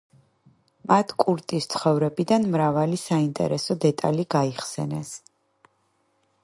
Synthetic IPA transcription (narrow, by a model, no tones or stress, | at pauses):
mat̪ʰkʼuɾt̪ʼist̪sʰχɔvɾɛbid̪anmɾavalisaint̪ʼɛ̰ɾɛsɔd̪ɛt̪ʼa̰liɡaiχsɛ̰nɛs